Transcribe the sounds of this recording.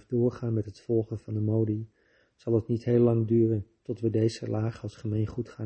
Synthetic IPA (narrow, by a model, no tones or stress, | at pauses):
dʊːɹχaːnmɛtɦətfɔlˠχənvɑndəmowdi | z̥ɑlˠətnitɦeːlːɑŋdyːrəntɔtʋədejzə̰lʔaːχəɑlˠsχəmejnχutχaː